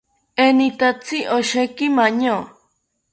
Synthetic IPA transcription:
enit̪at͡siʔoʃekimaɲo

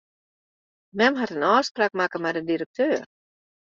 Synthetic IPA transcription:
mɛmɦatənɔːspraːk̚makəmɛdəndiɾək̚tʰøːr

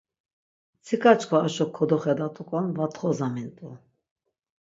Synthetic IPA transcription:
t͡sʰikʰat͡ʃʼkʰɔaʃɔkʰːɔd̪ɔχɛd̪at̪ʼukʼɔnvat̪χɔzamint̪ʼu

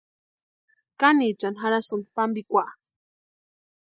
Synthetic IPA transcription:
kanit͡ʃanxaɾasunpambikʷaʔ

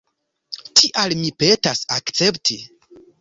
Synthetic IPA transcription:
tʰiʔalmipe̞tasakt͡se̞ptʰi

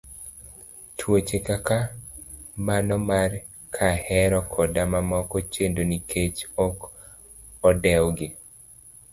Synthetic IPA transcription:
tʰwot͡ʃekaka | manɔmar | kʰahɛɾɔkʰɔdamamɔkɔt͡ʃendonikʰet͡ʃɔk | ɔdɛwɡɪ

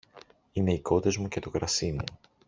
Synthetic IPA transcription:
ine̞iko̞t̪e̞zmuce̞t̪okɾɐsimu

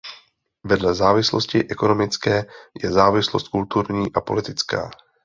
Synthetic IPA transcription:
vɛdlɛzaːvɪslo̞scɪʔɛko̞no̞mɪt͡skɛːjɛzaːvɪslost̪̚kult̪uɾɲiːʔapo̞lɪt̪ɪt͡ska̰ː

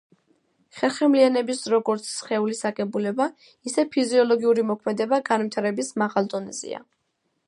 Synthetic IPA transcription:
χɛlˠχɛmlianɛbisɾɔɡɔɾt̪sʰχɛulisakʼɛbulɛba | isɛpʰiziɔlˠɔɡiuɾimɔkʰmɛd̪ɛbaɡanvit̪ʰaɾɛbismaʁalˠd̪ɔnɛz̥ḭa̰

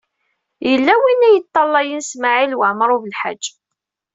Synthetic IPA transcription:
jəlːæwinːæjət̪ˤːɑlˤːɑjənsmaʕilwaʕməɾˤuvəlħa̰d͡ʒː

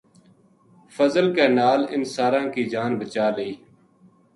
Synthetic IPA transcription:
fəzəlkeːnaːlɪnsaːɾãːkiːd͡ʒaːnbət͡ʃaːləiː

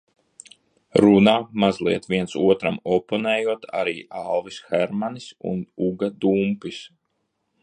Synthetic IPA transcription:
ɾunaːmazlˠiɛt̪viɛnsuɔt̪ɾamɔpɔnɛːjuɔt̪ʰa̰ɾiːʔalˠvisxɛɾmanisṵnuɡad̪umpis

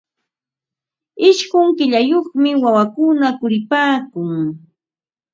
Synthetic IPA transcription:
ɪʃɢʊŋkɪʎajoχmɪwawakʊnakʊɾɪpaːkʊŋ

